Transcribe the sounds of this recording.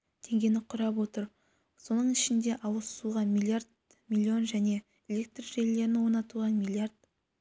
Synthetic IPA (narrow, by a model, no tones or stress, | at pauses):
t̪ʰe̞ŋɡʲe̞nɪqʰʊɾɑp̬wo̞t̪əɾ | so̞nəɴɪʃɪnd̪e̞ʔɑwəzsuʁɑmilʲˠjaɾd̪ | mʲilʲːio̞nʒæne̞ | elʲe̞k̚t̪rʒe̞lːe̞ɾɪnɪwo̞nɑt̪uʁɑnmʲilʲˠijard̪̥̚